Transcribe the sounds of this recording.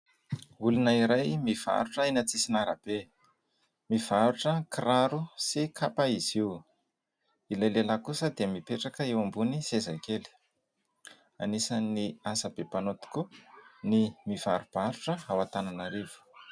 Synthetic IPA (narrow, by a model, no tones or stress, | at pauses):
ulunaiɾajmiv̥a̰ɾuʈ͡ʂəinat͡sisinaɾa̰b̥e | miv̥aɾuʈ͡ʂəkiraɾusikʰapaiz̥iw | ilajlelakusəd̪emipeʈ͡ʂakəewambunisezajkeli̥ | a̰nisəniasəbepanot̪i̥kunimiv̥aɾub̥aɾuʈ͡ʂəɦawat̪ananaɾivu̥